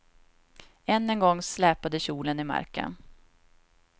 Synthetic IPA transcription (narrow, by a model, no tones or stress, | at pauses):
ɛnːɛnɡɔŋːslɛːpad̪əɕuːlənɪma̰ɾkə̰n